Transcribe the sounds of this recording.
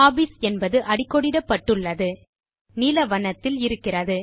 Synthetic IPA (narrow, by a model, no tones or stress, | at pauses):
aːbɪsɛnbɐðɯʔɐɽɪkːɔɽɪɽɐpːɐʈːɯɭːɐðɯ | niːlɐʋɐnɐt̪ːɪlɪɾɯkːɪrɐðɯ